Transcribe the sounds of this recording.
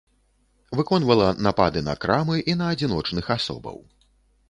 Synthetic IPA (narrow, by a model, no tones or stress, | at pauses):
vɨkɔnvɐlˠɐnapad̪ɨnɐ̰kɾamɨʔinɐːd͡zʲinɔt͡ʂnɨxasɔ̰bɐ̰w